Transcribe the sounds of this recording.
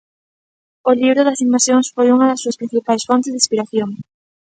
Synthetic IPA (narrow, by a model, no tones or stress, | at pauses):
ʊliβɾʊðɐsimbeɾsjoŋsfojuŋɐðɐsːuɐspɾĩn̟θipajsfɔnt̪ezðispiɾaθjoŋ